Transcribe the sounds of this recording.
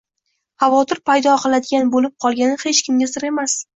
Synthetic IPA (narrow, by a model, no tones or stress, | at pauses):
havɒt̪ʰɪɾpʰajd̪ɒqʰɨlˠad̪ɪɡʲanbolɪp̚qʰɒlˠɡʲanɪhe̞t͡ʃkʲʰɪmɡʲasɪɾe̞mas